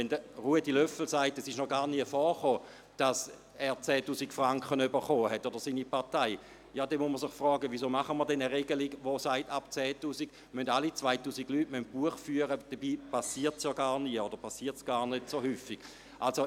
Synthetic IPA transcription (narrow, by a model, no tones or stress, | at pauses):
ɛndəʁuədilœfl̩saɪtɛsɪʃnɔɡaːʁniəfɔːʁχoː | d̥as | ɛːɐt͡sɛːtuːsikfʁaŋkχənybəχoːhɛtːod̥əʁsiːnipaʁtaɪ | jaːdɛnmusməsɪχfʁɔːɡəʋisoːmaχəməɐdɛnəʁeɡəliɡʋosaɪtap̚t͡sɛːtuːsiɡ̥ | møndalit͡svaɪtuːsiɡlyːtmønt̚b̥uəχfyːəʁəd̥əbiːpasiːɐtsjɔːɡaːʁniəod̥əʁpasiːɐtsɡ̥aːʁnødsohyːfiɡ̥ | ʔalso